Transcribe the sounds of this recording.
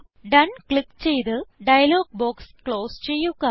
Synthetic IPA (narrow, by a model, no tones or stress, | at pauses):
ɖɐnkɭikːt͡ɕejt̪ɨɖɐjɐloːɡ̚boːkskɭoːst͡ɕe̞jːuɣa